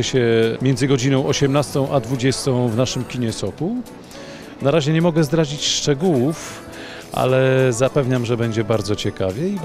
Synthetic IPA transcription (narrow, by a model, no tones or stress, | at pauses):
ɕɛmʲjɛnd̪zɘɡɔd͡ʑinɔ̃w̃ʔɔɕɛmnast̪ɔ̃w̃ʔad̪vud͡ʑɛst̪ɔ̃w̃vnaʂɘmkʲiɲɛsɔku | naɾaʑɛɲɛmɔɡɛzd̪ɾad͡ʑit͡ɕʂt͡ʂɛɡuwuf | ʔa̰lɛzapɛvɲamʐɛbɛɲd͡ʑɛbaɾd̪zɔt͡ɕɛkavʲjɛi